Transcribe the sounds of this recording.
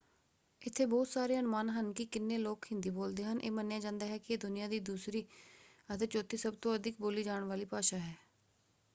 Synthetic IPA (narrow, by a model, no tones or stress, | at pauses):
ɪt̪ʰːeːbɔːt̪saːɾeːənʊmaːnɦənkɪkɪnːeːloːkɦɪ̃nd̪iːboːld̪eːɦənʔḛːmənjaːd͡ʒãːnd̪aːɦɛːkɪeːd̪ʊnɪjãːd̪iːd̪uːsɾiːət̪eːt͡ʃoːt̪iːsəb̚t̪õːəd̪ʱɪk̚boːliːd͡ʒaːɳʋaːliːpaːʃaːɦɛː